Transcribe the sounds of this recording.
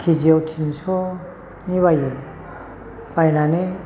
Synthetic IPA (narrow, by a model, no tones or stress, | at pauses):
kʰid͡ʒiawtʰinsɔ | niβajɯ | pajnane